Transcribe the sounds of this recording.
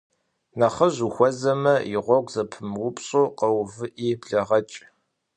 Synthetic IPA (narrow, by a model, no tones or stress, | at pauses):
nɐχɐʑuxʷɔzɐmɐɪʁʷɔɡʷʼzɐpʰɨmwʊpʰɕʼoːqɐwvɨʔiːbɮɐʁɐt͡ʃʼ